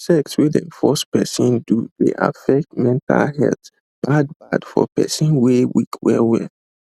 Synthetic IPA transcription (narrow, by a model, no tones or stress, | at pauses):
sɛkswidɛ̰̃nfɔspɛsɔ̃nduðeʔa̰fɛk̚t̚mɛ̃ntʰa̰lhɛ̰lt | b̥ad̚bad̥fɔpʰɛsɔ̃nwewikʰwɛwɛ